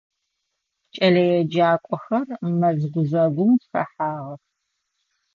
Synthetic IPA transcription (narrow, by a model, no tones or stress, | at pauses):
t͡ʃʼɐlɐjɛd͡ʒaːkʷʼɔxɐrmɐzʁʷʊzɐɡʷʊmtxɐ̰ħaːʁɐx